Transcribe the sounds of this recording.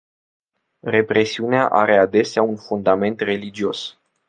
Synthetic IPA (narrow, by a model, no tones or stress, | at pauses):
re̞pɾe̞siuneaʔa̰ɾe̞ad̪e̞seaunfund̪ame̞nt̪re̞lid͡ʒio̞s